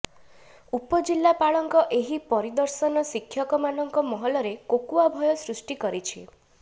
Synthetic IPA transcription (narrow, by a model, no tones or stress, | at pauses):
upɔd͡ʒilːapaɭɔŋkɔʔeɦipɔɾid̪ɔɾsɔnɔsikʰjɔkɔmanɔŋkɔmɔɦɔlɔɾekokuabʱɔjɔsɾusʈikɔɾit͡ʃʰḭ